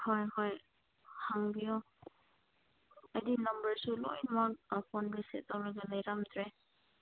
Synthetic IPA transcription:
hɔjhɔj | haŋbijɔ | adinambəɹsulɔ̰jnmak̚pʰɔnbisḛtawɾaɡalajɾamtʰɾe

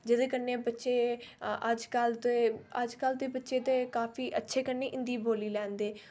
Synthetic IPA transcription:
d͡ʒɪd̪eːkənːeːbətːʃeːəd͡ʒkalt̪eːəd͡ʒkəːld̪eːbətːʃeːt̪eːkaːfʰiːʔətːʃʰeːkənːeːʔɪ̃nd̪iːboːliːlɛ̃ːnd̪eː

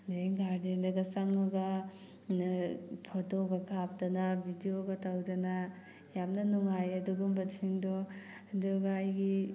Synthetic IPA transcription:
deŋɡaɾdendɐɡɐsɐŋːɐɡɐ | pʰɔtoɡɐkʰap̚dɐnɐbʱidijoɡɐtawdɐna | jamnɐnuŋajɐduɡumbɐiŋdɔ | duɡajɡi

